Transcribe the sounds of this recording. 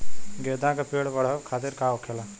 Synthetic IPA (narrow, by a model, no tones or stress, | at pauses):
ɡeːd̪ãkapeːɽbɐɽ̤əbkʰaːt̪ɪɾkaːokʰeːla